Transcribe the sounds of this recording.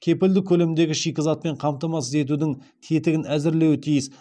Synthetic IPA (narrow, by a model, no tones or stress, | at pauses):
kʲʰe̞pɪld̪ɪkʲʰɵle̞md̪e̞ɡʲɪʃijkʲɪzɑt̪̚pe̞ɴqʰɑmt̪ɑmɑsəze̞t̪̬ud̪ɪŋ | t̪ʰe̞t̪ɪɡʲɪnæzɪɾle̞wɪt̪ʰijɪs